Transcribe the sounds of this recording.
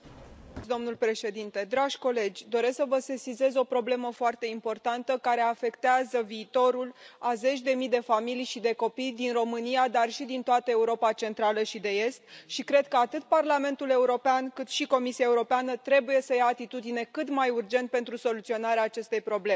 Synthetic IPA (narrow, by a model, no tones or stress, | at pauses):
d̪o̞mnulpɾe̞ʃe̞d̪int̪e̞d̪ɾaʒ̥ʲko̞le̞d͡ʒʲd̪o̞ɾe̞sksəvəse̞size̞zo̞pɾo̞ble̞məfoart̪e̞impo̞rt̪ant̪əkaɾe̞afe̞kt̪eazəviːt̪o̞ɾulaze̞t͡ʃʲd̪e̞mid̪e̞familijʃid̪e̞ko̞pijd̪inro̞mɨnijad̪arʃid̪int̪oat̪əe̞uɾo̞pat͡ʃe̞nt̪ɾaləʃid̪e̞e̞st̪ʃikɾe̞d̪̚kəat̪ɨt̪̚parlame̞nt̪ule̞uɾo̞peankɨt̪ʃiko̞misiae̞uɾo̞peanət̪ɾe̞buje̞səjaːt̪it̪ud̪ine̞kɨt̪majurd͡ʒe̞nt̪̚pe̞nt̪ɾuso̞lut̪sio̞naɾeaːt͡ʃe̞st̪e̞jpɾo̞ble̞